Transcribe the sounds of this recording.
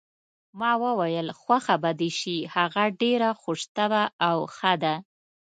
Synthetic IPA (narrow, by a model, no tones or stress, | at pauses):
mɑwəwajəlxwaxabad̪eʃihaɣaɖeɾaxʊʂt̪əbaawxəd̪a